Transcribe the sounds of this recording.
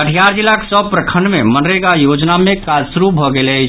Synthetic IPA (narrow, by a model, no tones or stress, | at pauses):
əʈʰijaɾd͡ʒilaksəb̚pɾəkʰəɳɖmemənɾeɡajod͡ʒnamekad͡ʒsuɾubʱɔɡeləɪt͡ʃʰ